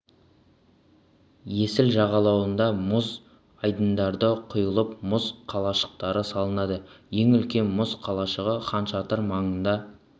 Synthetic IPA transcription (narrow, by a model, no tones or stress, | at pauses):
je̞sɪlʒɑʁɑlˠɑwənd̪ɑmʊz | ɑjd̪ənd̪ɑɾd̪əqʰʊjəlˠəpmʊzqʰɑlˠɑʃə̥q̚t̪ɑɾəsɑlˠənɑd̪əje̞ŋʏlkʲe̞nmʊzqʰɑlˠɑʃəʁəχɑnʃɑt̪əɾmɑɴənd̪ɑ